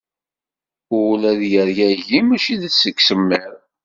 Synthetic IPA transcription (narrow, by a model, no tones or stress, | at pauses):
ʊlæðjəɾjæʝimæʃiðəsːəkːsəmːəɾ